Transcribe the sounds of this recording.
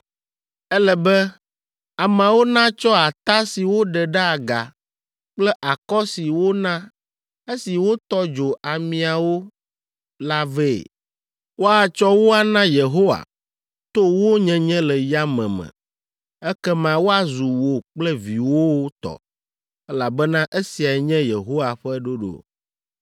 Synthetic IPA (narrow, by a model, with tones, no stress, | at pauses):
ɛ˦lɛ˨bɛ˦ | a˨mã˨wo˦nã˦t͡ʃɔ˦a˨t̪a˦si˨wo˦ɖɛ˨ɖɛ˦a˨ɡa̰˨ | k͡plɛ˦ʔa˨kɔ˦si˨wo˦nã˦ | e˦si˨wo˦t̪ɔ˦d͡ʒo˨ʔa˨mĩ˨a˨wo˦ | la˦vɛ̰˦˨ | wo˦a˨t͡ʃɔ˦wo˦a˨nã˦je˨ɦo˦wa̰˨ | t̪o˦wo˦ɲɛ̃˦ɲɛ̃˦lɛ˨ja˦mɛ̰̃˨mɛ̰̃˨ | ɛ˦kɛ˦mã˨wo˦a˨zu˨wo˨k͡plɛ˦vi˨wo˦wt̪ɔ̰˨ | ɛ˦la˨bɛ˦nã˦ʔe˦si˨a˨ɛ˨ɲɛ̃˦je˨ɦo˦wa˨ɸɛ˦ɖo˦ɖo̰˨